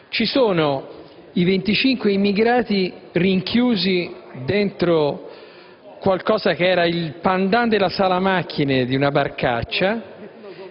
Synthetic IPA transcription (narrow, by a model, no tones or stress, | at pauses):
t͡ʃisoːno | ivent̪it͡ʃiŋkweimiɡɾaːt̪iriŋkʰjuːzid̪ent̪ɾo | kwalkɔːzakeɛːɾailpand̪and̪elasaːlamakʰːined̪iunabarkat͡ʃːa